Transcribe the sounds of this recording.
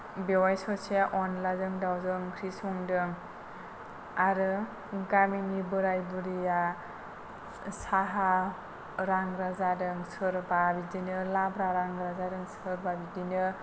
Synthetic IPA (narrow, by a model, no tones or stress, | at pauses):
bewajsɔsijaʔɔnlazɯŋdawzɯŋkʰɾisuŋdɯŋ | aɾɯ | ɡamiŋibɯɾajbɯɾija | saɦa | ɾaŋɾazadɯŋsɯɾbabidinɯlabɾaɾaŋɾazadɯŋsɯɾbabidinɯ